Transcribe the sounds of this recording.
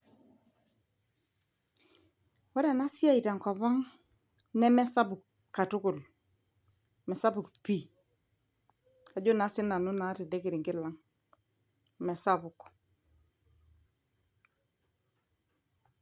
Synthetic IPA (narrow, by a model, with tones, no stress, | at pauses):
wɔ˦ɾa˨na˦si˦a˦i˨ta˨ŋ˨kwa˨βa˦ŋ | nɛ˦mɛ˦sa˦bʊ˨k | kːa˨tʊ˦kʊ˨l | mɛ˨sa˦bu˨kpi˦ | a˨d͡ʒo˦na˨˦sɪ˦na˨nu˦na˨˦tɛ˨de˦kɪ˨ɾi˨ŋɡɪ˦la˨˦ŋ | mɛ˨sa˦bʊ˨k